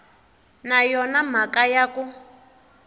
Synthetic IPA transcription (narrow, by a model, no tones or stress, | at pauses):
najɔnam̤akajaku